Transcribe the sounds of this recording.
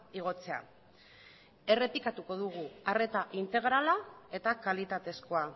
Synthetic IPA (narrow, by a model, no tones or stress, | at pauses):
iɣ̞o̞t͡se̞a̰ | e̞re̞pikat̪uko̞ðuɣ̞uare̞t̪aʔint̪e̞ɣ̞ɾalae̞t̪akalit̪at̪e̞sko̞a